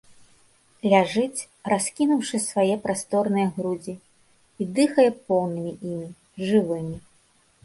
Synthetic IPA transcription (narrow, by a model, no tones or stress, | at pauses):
lʲaʐɨt͡sʲ | raskʲinuwʂɨsvajɛpɾʔast̪ɔrnɨjɐɣɾud͡zʲi | id̪ɨxɐjɛpɔwnɨmʲiʔimʲi | ʐɨvɨmʲi